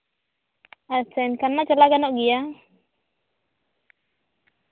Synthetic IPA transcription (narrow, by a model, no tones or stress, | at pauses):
at͡ʃankanːaʔt͡ʃalaɡanɔʔɡija